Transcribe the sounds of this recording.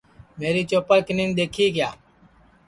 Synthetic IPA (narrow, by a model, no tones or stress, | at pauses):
meːɾiːt͡ʃoːpaːkɪnĩːnɗ̪eːkʰiːkja̰ː